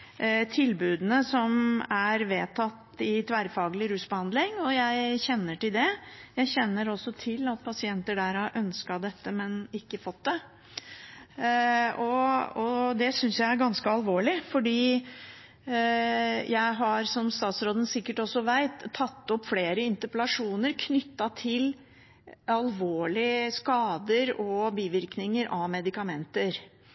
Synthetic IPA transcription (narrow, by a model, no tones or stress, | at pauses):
t̪ʰɪlbʉːd̪ənəsɔmæɾʋeːt̪ʰɑt̪ːɪt̪ʰʋæɾfɑːɡlɪɾʉːsbəhɑnd̪lɪŋɔjæɪçɛnːəʈɪld̪ɛjæɪçɛnːəɾɔsːɔt̪ʰɪlɑt̪̚pʰɑsɪɛnt̪əɖæɾɑʔœnskɑd̪ɛt̪ːəmɛnɪkːəfɔt̪̚d̪ɛ | ɔɔd̪ɛsʏnsjæɪæɾɡɑnskəɑlʋoːɭɪfɔɖiː | jʔæɪɦɑɾsɔmst̪ɑːt̪sɾoːd̪ən̩sɪkːəʈɔsɔʋæɪt̪ʰːɑt̪ːɔpːfleːɾəɪnt̪əplɑʂuːnəɾkʰnʏt̪ːɑt̪ʰɪl | ɑlʋoːɭɪskɑːd̪əɾɔbiːʋɪɾknɪŋəɾʔɑʋmɛd̪ɪkɑmɛnt̪əɾ